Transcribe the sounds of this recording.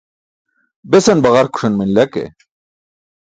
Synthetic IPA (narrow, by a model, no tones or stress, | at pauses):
besɐnbɐɣɐɾku̥ʂʰɐnminlɐkḛ